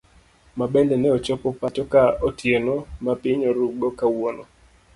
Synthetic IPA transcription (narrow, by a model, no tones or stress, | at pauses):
mabɛndɛnɛɔt͡ʃɔpɔpat͡ʃɔkaotjenomapɪɲɔɾuɡɔkawɔnɔ̰